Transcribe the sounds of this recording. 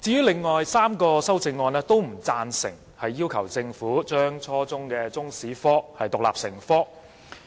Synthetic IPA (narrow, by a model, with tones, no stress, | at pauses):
t͡siː˨˧jyː˥lɪ˨ŋːɔː˨jsaː˥mkɔː˧sɐ˥wt͡sɪ˧ŋːɔː˧nɛː˥t̪o˥wm̩˨˩t͡saː˧nsɪ˨˩ŋ | hɐ˨jːiː˥wkʰɐ˨˩wt͡sɪ˧ŋfuː˨˥t͡ʃœː˥ŋt͡ʃʰɔː˥t͡sʊ˥ŋkɛː˧t͡sʊ˥ŋsiː˨˥fɔː˥hɐ˨jt̪ʊ˨kla̰ː˨p̚sɪ˨˩ŋfɔː˥